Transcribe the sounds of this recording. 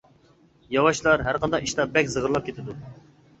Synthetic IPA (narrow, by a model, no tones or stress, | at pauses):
jɑwɑʃlˠɑɾɦæɾqʰɑnd̪ɑqiʃt̪ɑbɛkʲzəʁəɾlˠɑp̚kʲet̪ʰɪd̪u